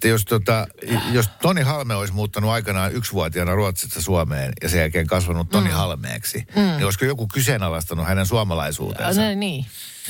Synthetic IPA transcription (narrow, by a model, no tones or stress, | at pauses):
t̪ːæjost̪ot̪ɑjost̪onihɑlmeoismuːt̪ːɑnuɑikɑnɑːʔyksʋuɑt̪iɑnɑruɑt̪sist̪ːɑsuɑmeːnjɑsejælkeːŋkɑsʋɑnut̪ːonihɑlmḛːksinioiskojokukysenɑlɑst̪ɑnuhænensuɑmɑlɑisṵːt̪ḛnsniː